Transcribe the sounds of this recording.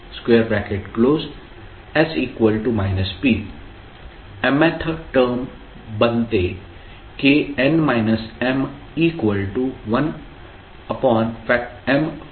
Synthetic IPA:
skweːɾbækeʈkloːz | ɛziːkʋəlʈumaɪnəspi | ɛmɛt̪ʰəʈəːɾm | bə̃nt̪e | keɛ̃nmaɪnəsɛ̃m | iːkʋəlʈuʋɐ̃n | əpɔ̃ːnfɛk̚ɛ̃m

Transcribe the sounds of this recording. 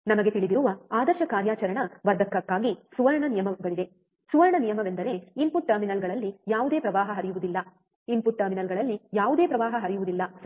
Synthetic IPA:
nɐmɐɡet̪iɭid̪iɾuʋɐaːd̪ɐɾʃɐkaːɾjaːt͡ʃɐɾɐɳɐʋɐɾd̪ʱɐkːɐkːaːɡisuʋɐɾɐɳɐnijɐmɐʋɐɡɐɭid̪e | suʋɐɾɐɳɐnijɐmɐʋe̞nd̪ɐɾe̞inpuʈ̚ʈːɐɾminɐlɡɐɭɐlːijaːʋud̪e̞ːpɾɐʋaːɦɐɦɐɾijuʋud̪ilːɐ | impuʈ̚ːɐɾminɐlɡɐɭɐlːijaːʋud̪e̞ːpɾɐʋaːɦɐɦɐɾijuʋud̪ilːɐ

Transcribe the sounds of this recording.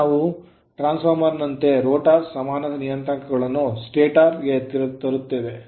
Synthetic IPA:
naːʋu | ʈɾaːnspʰɐɾmɐɾnɐnt̪e̞ɾoːʈaːɾsɐmaːnɐd̪ɐnijɐnt̪ɾɐŋkɐɡɐɭɐnːusʈeːʈaːɾɡet̪iɾɐt̪ɐɾut̪ːeːʋe

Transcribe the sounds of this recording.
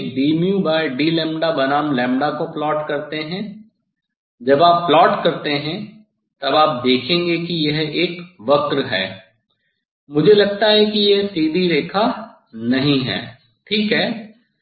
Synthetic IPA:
kɖiːmjũbaːɪɖiːlɛ̃ːmɖabɐnaːmlɛ̃ːmɖakoplɔːʈkɐɾt̪eɦɛ̃ | d͡ʒɐbaːpːlɔːʈkɐɾt̪eɦɛ̃ | t̪ɐbaːp̚d̪eːkʰẽːŋɡekijɛɦeːkʋɐkɾɦɛ̰ː | mʊd͡ʒʱelɐɡ̚t̪aɦɛkijeɦt̪iːd̪iɾeːkʰa | nɐɦĩɦɛ̰ː | ʈʰiːkɦɛː

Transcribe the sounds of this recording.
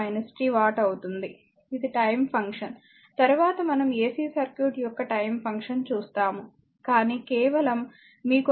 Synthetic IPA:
ɐjnɐsi̥ʈiːʋaːʈɐwut̪und̪i | id̪iʈɐjmpʰɐŋkʂɐn | t̪ɐɾuʋaːt̪ɐmɐnɐmeːsiːsɐɾkjuːʈjɔkːɐʈɐjmpʰɐŋkʂɐnt͡ʃuːst̪aːmu | kaːniːkɛːʋɐlɐmː | iːku

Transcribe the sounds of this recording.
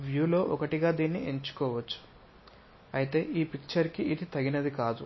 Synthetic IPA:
ʋjuːlo̞ːʔɔkɐʈiɡaːd̪iːnːiʔe̞ɲt͡ʃu̥kɔːʋɐt͡ʃːu̥ | ɐjit̪e̞ːʔiːpik̚t͡ʃɐɾkiʔid̪it̪ɐɡinɐd̪ikaːd̪u

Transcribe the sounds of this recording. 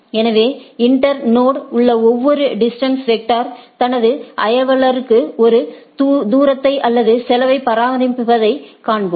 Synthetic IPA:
ɛnɐʋeːɪɳʈɐɾnoːɽʊɭːɐɔʋːɔɾɯɖɪsʈɐnsʋɛʈːaːɾt̪ɐnɐðɯʔɐjɐʋɐɭɐɾɯkːɯɔɾɯd̪uːɾɐt̪ːɐɪʔɐlːɐðɯsɛlɐʋɐɪpːɐɾaːʋɐɾɪpːɯpɐðɐɪkaːɳbom

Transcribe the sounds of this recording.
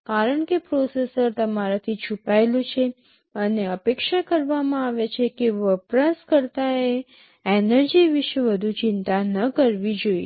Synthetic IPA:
kaɾəɳkepɾosesəɾt̪əmaɾat̪ʰit͡ʃʰupaelũt͡ʃʰe | əneəpekʃakəɾʋamãaʋet͡ʃʰekeʋəpɾaskəɾt̪ae | enəɾd͡ʒiʋɪʃʋəd̪ʱut͡ʃɪnt̪anəkəɾʋid͡ʒoḭḛ

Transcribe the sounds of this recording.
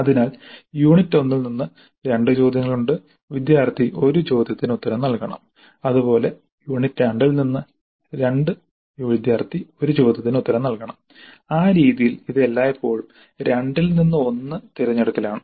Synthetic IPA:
ɐðinaːljuːɳitːo̞nːilninːɨ | ɾe̞ɳɖɨt͡ɕo̞ːd̪ʱjɐŋːɐɭuɳɖɨ | ʋid̪jaːrt̪ʰiʔo̞ɾut͡ɕo̞ːd̪jɐt̪ːinut̪ːɐɾɐmnɐlkɐɳɐ̰m | ɐðupo̞ːle̞ | juːɳitːaɳɖilninːɨ | ɾe̞ɳɖɨ | ʋid̪jaːrt̪ʰio̞ɾut͡ɕo̞ːd̪ʱjɐt̪̬ːinut̪ːɐɾɐmnɐlkɐɳɐm | aːɾiːðijiliðe̞lːaːjepːo̞ːɭm | ɾe̞ɳɖilninːɨo̞nːɨt̪iɾɐɲːɐɽɐt̪ːilaːɳɨ

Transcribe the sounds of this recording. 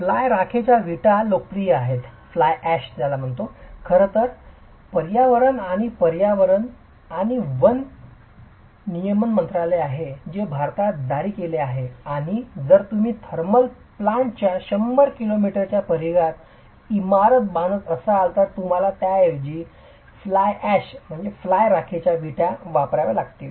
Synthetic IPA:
flajɾakʰet͡ɕjaʋʱiʈalokɾiaɦet̪flajæɕd͡zalam̤əɳt̪okʰəɾət̪əɾ | pəɾjaʋəɾənaɽ̃ipəɾjaʋəɾən | aɽ̃iʋən | nijəmənmənt̪ɾaleaɦed͡ʑebʱaɾt̪ad̪ʱaɾiːkeleaɦeaɽ̃id͡zəɾt̪um̤iːt̪ʰəɾməl | plaɳʈt͡ɕjaɕəmːəɾkilomiʈəɾt͡ɕjapəɾiɡat̪ | imaɾət̪̚bañət̪əsəːlt̪əɾt̪um̤alat̪jaeʋd͡ʑiː | flajæɕm̤əɳd͡zeflajɾakʰet͡ɕjaʋiʈjaʋapɾaʋelaɡt̪i

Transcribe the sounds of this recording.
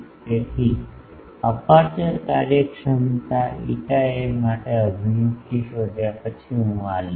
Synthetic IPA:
et̪ʰi | əpaɾt͡ʃəɾkaɾjəkʂənt̪aḭʈaemaʈeəd͡ʒ̪ʱmũkiʃod̪ʱjapət͡ʃʰiɦũal

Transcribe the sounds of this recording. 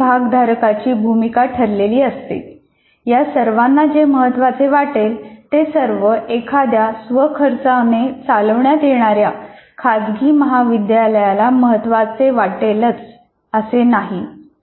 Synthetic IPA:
bʱaɡd̪ʱaɾkat͡ɕiːbʱumikaʈʰəɾleliːəst̪ḛ | jasəɾʋanːad͡ʑeməɦət̪ːʋat͡seʋaʈelt̪esəɾʋəʔekʰad̪jasʋəkʰəɾt͡sanet͡saləʋɳjat̪jeɳ̃aɾjakʰad̪ɡiːməɦaʋid̪jaləjalaməɦət̪ːʋat͡seʋaʈelət͡s | əsenaɦi

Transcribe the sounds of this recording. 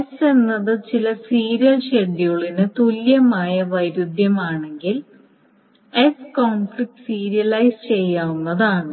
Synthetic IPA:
ese̞nːɐðɨt͡ɕilɐsiːɾijɐlɕe̞ɖːijuɭinɨt̪uljɐmaːjɐʋɐjɾud̪ʱjɐmaːɳe̞ŋɡil | eskoːnflik̚ʈɨ̥siːɾijɐlɐjst͡ɕe̞jːaːunːɐðaːɳɨ

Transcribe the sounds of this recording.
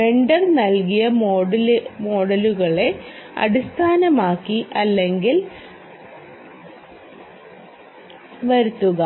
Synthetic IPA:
e̞ɳɖɐrnɐlkijɐmolmo̞ːɽɐluɣɐɭe̞ɐ̰ɽist̪ʰaːnɐmaːkːiʔɐlːe̞ŋɡil | ʋɐɾut̪ːuɣɐ

